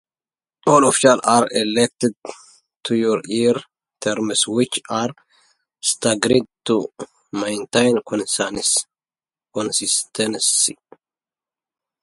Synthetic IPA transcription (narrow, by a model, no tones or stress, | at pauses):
ʔolɔfɪ̥ʃɐlʔaɾɛlɛk̚t̪ɛd̪̚ | t̪ːujɔɾiːɾ | t̪ʰɛɾmɪswɪt͡ʃːaɾ | st̪ɐɡɾɪt̪ːu | mɐjnt̪ɐjnkɔnsanɪs | kɔnsɪst̪ɛnsɪ